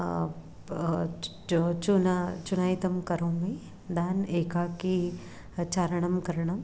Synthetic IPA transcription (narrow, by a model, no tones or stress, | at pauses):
t͡ʃunat͡ʃunaːit̪ɐmkɐɾõmẽ | d̪aːneːkaːki | t͡ʃaːɾɐɳɐmkɐɾɳɐm